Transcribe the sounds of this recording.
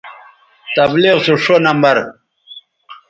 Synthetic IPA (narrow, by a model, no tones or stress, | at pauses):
t̪ɐbliʁsuʂonambaɾ